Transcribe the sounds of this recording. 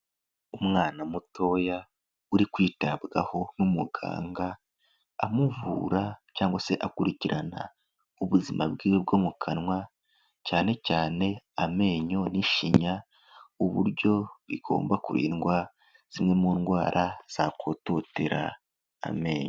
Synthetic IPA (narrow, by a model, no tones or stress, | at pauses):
umŋaːnamuto̞ːja | uɾikwiːtabɡaho̞numuɡa̰ːŋɡaː | muvṵɾacaːŋɡwase̞ʔakuɾiciɾana̰ | uβuzimabɡiːweb̚ɡo̞mukʰanŋwa | caːne̞caːne̞ame̞ːɲo̞niʃiɲa | uβṵɾɟo̞βiɡo̞̰ːmbakuɾḭːnɡwa | z̥imŋe̞muːnɡwaːɾʔaz̥ako̞ːto̞teɾa̰ː | me̞ːɲo